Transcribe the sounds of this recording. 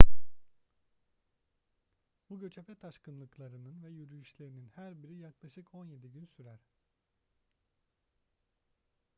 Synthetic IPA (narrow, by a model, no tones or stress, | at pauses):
buɟø̞t͡ʃʰepɛt̪ʰaʃkɯnlˠɯklˠaɾɯnɯnvɛjyɾyjyʃlʲe̞ɾininhæɾbiɾijaklˠaʃɯkʰo̞nje̞d̪iɟynsyɾæɾ̥